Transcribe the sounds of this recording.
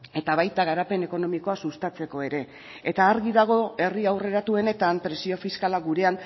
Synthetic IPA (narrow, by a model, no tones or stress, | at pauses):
e̞t̪aβajt̪aɣaɾape̞ne̞ko̞no̞miko̞asust̪at͡se̞ko̞e̞ɾe̞ː | t̪aːɾɣiðaɣ̞o̞e̞riawre̞ɾat̪ue̞ne̞t̪ampɾe̞sio̞fiskalaɣuɾe̞an